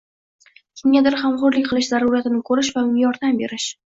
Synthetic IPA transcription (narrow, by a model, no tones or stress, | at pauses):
kʲʰɪmɡʲad̪ɪɾχamχʊɾlɪk̚ʲqʰɨlˠɪʃzaɾuɾat̪ɪnɪkʰɵɾɪʃvamɪmjɒɾd̪ambe̞ɾɪʃ